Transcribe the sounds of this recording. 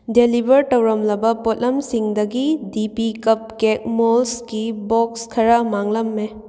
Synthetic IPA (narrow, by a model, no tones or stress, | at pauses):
delibʱɐɾtɐwɾɐmlɐbɐpotlɐmsiŋdɐɡidipikɐp̚kek̚molsɡibokskʰɐɾamaŋlɐmːe